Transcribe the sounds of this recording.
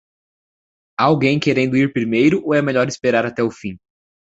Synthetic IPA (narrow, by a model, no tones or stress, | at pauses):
awɡẽj̃keɾẽnd̪ʊiɾpɾimejɾʊʔoɛmeʎɔɾɪspeɾaɾat̪ɛʊfĩ